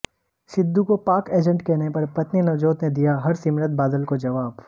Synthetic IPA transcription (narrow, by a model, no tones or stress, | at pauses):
sɪd̪ːukopaːkeːd͡ʒə̃ɳʈkɛɦnepɐɾpɐt̪ninɐʋd͡ʒoːt̪ned̪ijaɦɐɾsɪmɾət̪̚baːd̪əlkod͡ʒɐʋaːb